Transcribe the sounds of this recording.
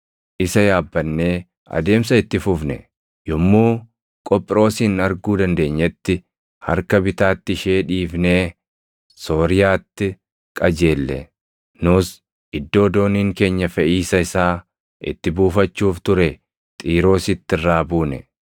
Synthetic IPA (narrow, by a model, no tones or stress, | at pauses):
ʔɪsɐjaːbːɐnːeː | ɐ̰d̪e̞ːms̬ɐɪt̪ːɪfʊfnɛ̰ | jɔmːuː | kʼɔpʼːɪɾo̞ːsiːnɐɾɡuːd̪ɐnd̪e̞ːɲːɛt̪ːɪ | hɐ̰ɾkɐbɪt̪aːt̪ːɪʃe̞ːᶑiːfneː | so̞ːɾɪjaːt̪ːɪ | kʼɐd͡ʒeːlːɛ̰ | nʊs | ʔɪd̪ːo̞ːd̪o̞ːniːŋke̞ːɲːɐfɛʔiːsɐɪsaː | ʔɪ̰t̪ːɪbuːfɐt͡ʃːuːft̪ʊɾɛ | t̪ʼiːɾo̞ːsɪt̪ːɪrːaːbuːnɛ